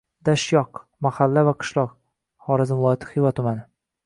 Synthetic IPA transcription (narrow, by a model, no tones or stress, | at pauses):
d̪aʃjɒq | mahalːavaqʰɨ̥ʃlˠɒq | χɒɾɪzɪmvlˠɒjɑt̪ʰɪ̥χɪjvat̪ʰʊmanɪ